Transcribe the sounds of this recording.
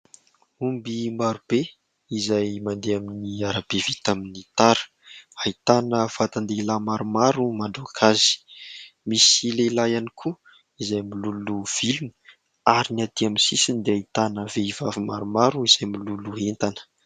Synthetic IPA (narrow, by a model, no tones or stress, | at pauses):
umbimaɾub̥e | izajmand̪eaminiaɾab̥evit̪aminit̪aɾə̥ | ait̪anəfat̪and̪elamaɾumaɾumaɳɖ͡ʐokʰazi̥ | misilelajanikʰu | izajmiluluv̥ilunə̥ | aɾiniat̪iaminsisind̪eait̪anəveivavimaɾumaɾuiz̥ajmiluluɦent̪anə̥